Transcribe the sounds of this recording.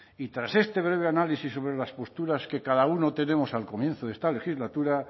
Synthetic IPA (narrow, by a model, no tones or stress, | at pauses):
it̪ɾase̞st̪e̞β̞ɾe̞β̞e̞analisisːo̞βɾelaspo̞st̪uɾaske̞kaðauno̞t̪e̞ne̞mo̞salko̞mjẽ̞nθoðe̞st̪ale̞xizlat̪uɾa